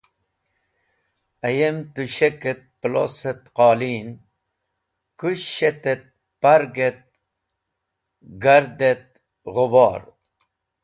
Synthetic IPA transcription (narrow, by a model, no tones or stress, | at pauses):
ɐjemt̪uɕeket̪̚plo̰set̪qɑːliːn | kuɕet̪et̪̚ | pɐɾɡet̪̚ | ɡɐɾd̪et̪̚ | ʁobɑːɾ